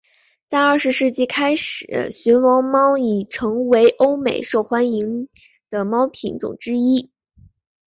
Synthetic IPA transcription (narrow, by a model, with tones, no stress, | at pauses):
t͡sa˥˧ɪə˞˥˩ʂ̩˧ʂɻ̩˥˧t͡ɕi˥˩kʰa˥ɪʂɻ̩̰˨˩˦ɕy˧˥nlwɔ˧˥ŋmɑ˥ʊi˨˩ʈ͡ʂʰɤ˧˥ŋwe˧˥ɪʔo˥ʊmḛ˨˩ɪʂo˥˩ʊxwa˧˥ni˧˥ŋ | d̪̥ə˧mɑ˥ʊpʰi˧˥nt͡sʊ̰˨˩ŋʈ͡ʂɻ̩˥i˥